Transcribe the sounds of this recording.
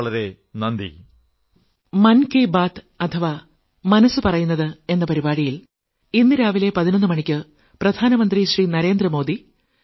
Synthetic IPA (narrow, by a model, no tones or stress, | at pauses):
ɭɐɾe̞ | nɐnd̪ḭ | mɐnkeːbaːt̪ | ɐt̪ʰɐʋa | mɐnɐsːɨpɐrɐjunːɐðɨe̞nːɐpɐɾibaːɽijil | inːɨɾaːʋile̞pɐðinɐnːɨmɐɳikʲːɨ | prɐd̪ʱaːnɐmɐnd̪riɕriːnɐɾe̞ːnd̪rɐmo̞ːd̪i